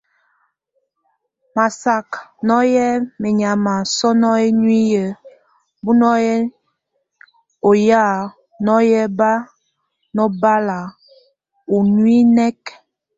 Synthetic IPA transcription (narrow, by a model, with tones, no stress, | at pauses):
ma˨sa˨knɔ˦jɛ˦me˨ɲa˨ma˨sɔ˦nɔ˦e˦n˦i˦jə˨ | bu˦nɔ˦jɛ˦ | o˨ja˦˨ | nɔ˦jɛ˦ba˦ | nɔ˦ba˦la˨ | u˨n˦i˦nɛ˦k